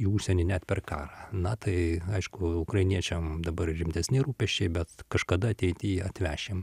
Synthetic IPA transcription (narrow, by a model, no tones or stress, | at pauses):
iuʃʲsʲɛnʲɪnʲæt̪pʲɛrkɑ̰ːɾɑnɐt̪ɐɪɐɪʃkʊʊkɾɐɪnʲiɛt͡ʃʲɛmd̪ɐbɐrʲɪmʲt̪ʲɛsʲnʲɪɾuːpʲɛʃʲt͡ʃʲɛɪbʲɛt̪kɐʃkɐd̪ɐɐt̪ʲɛɪt̪ʲiːɐt̪ʲʋʲæːʃʲem